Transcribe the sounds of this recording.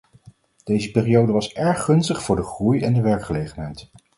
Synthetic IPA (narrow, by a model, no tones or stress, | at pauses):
d̥ejzəpːrijowdəʋɑsɛɹχɵnstəχfʊːɹdəχrujɛndəʋɛɹkχəlejχənɦɛjt